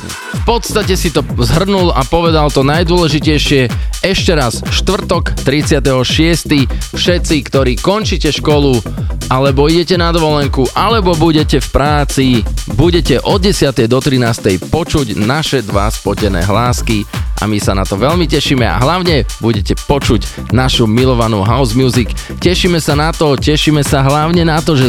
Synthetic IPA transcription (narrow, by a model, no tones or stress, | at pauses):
fpɔt̪st̪acɛsit̪ɔzɦr̩nulapɔʋɛd̪alt̪ɔnajd̪ʊɔlɛʒicɛjʃɪɛɛʃcɛɾasʃt̪ʋr̩t̪ɔkt̪ɾit͡sɪat̪ɛɦɔʃɪɛst̪ifʃɛt̪sikt̪ɔɾiːkɔnt͡ʃicɛʃkɔluʔalɛbɔiɟɛcɛnad̪ɔʋɔlɛŋkuʔalɛbɔbuɟɛcɛfpɾaːt͡sibuɟɛcɛʔɔd̪̚ɟɛsɪat̪ɛjd̪ɔt̪ɾinaːst̪ɛjpɔt͡ʃuɟnaʃɛd̪ʋa̰spɔɟɛnɛ̰ːɦlaːskiʔa̰misanat̪ɔʋɛʎmicɛʃimɛa̰ɦlaʊɲɛbuɟɛcɛpɔt͡ʃuɟ | naʃumilɔʋanṵːɦaʊzmjuzik | cɛʃimɛsanat̪ɔcɛʃimɛsaɦlaʊɲɛnat̪ɔʒɛ